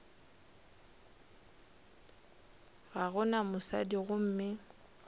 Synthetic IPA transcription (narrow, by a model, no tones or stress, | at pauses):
ɣaɣʊnamʊsa̰diɣʊm̩ːmɪ